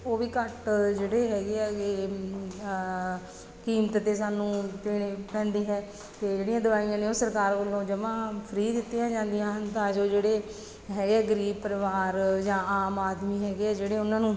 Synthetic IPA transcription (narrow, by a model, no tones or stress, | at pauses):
oːʋiːkəʈd͡ʒeːɽeːɦɛːɡeːɛːeː | kiːmət̪t̪eːsaːnũːt̪ɪːɽeːpɛ̃ːnd̪iːɦɛː | t̪eːd͡ʒeːɽijãːd̪ʊʋaːijãːneːoːsəɾkaːɾkəlõːd͡ʒəʋãːpʰəɾiːd̪ɪt̪ːijãːd͡ʒãːnd̪ijãːɦənt̪ãːd͡ʒoːd͡ʒeːɽeː | ɦɛːɡeɛːɡəɾiːb̚pəɾʋaːɾd͡ʒãːaːmaːd̪miːɦɛːɡeːɛːd͡ʒeːɽeːʊnãːnũː